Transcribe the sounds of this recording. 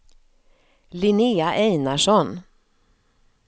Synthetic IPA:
lɪnɪːaʔɛjnaʂɔn

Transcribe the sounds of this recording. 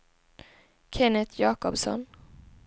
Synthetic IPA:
kʰɛnət̪ʰjɑːkɔbsɔ̰n

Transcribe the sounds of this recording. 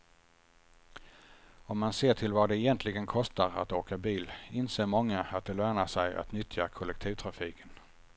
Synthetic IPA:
ɔmːanseːʈʰɪlvaɖɛːjɛnt̪ʰlɪɡənkʰɔst̪aɾa̰t̪oːkabiːlɪnseːɾmɔŋːaat̪̚d̪ɛlœːnaʂɛja̰t̪nʏt̪ʰjakʰɔlːɛk̚t̪ʰiːvt̪ʰɾafiːkʰən

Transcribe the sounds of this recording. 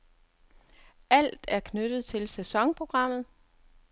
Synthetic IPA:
ʔæl̰d̥æɐkʰnød̥ð̩ˠt͡sʰe̝lsæsɒ̽ŋpʰʁo̝ɡ̥ʁɑ̈m̰ð̞̩ˠ

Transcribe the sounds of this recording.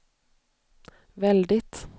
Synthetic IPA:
ʋɛld̪ɪt̪

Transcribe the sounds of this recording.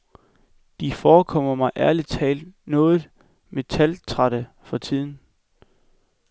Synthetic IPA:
d̥ifɒːkʰɒ̽m̰ɐmɑ̈ɪʔæɐli̥t͡sʰɛ̰ːld̥nɔ̽ːð̩ˠ | me̝t͡sʰælt͡sʰʁɑɾ̥ə | fɒ̽t͡sʰið̞̰ˠn̩

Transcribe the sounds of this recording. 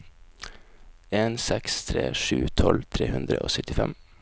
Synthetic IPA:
eːnsɛkst̪ʰɾeːʂʉːt̪ʰɔlt̪ʰɾeːhʉnd̪ɾəʔoːsœt̪ɪfɛm

